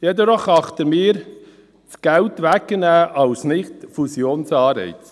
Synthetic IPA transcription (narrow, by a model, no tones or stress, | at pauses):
jɛd̪əɾɔχɑχt̪əɾmɪːɾ | t͡sɡ̥æltʋækːənæːʔɑwsnɪχt̪fusjoːnsɑːɾɛ̰ɪt͡s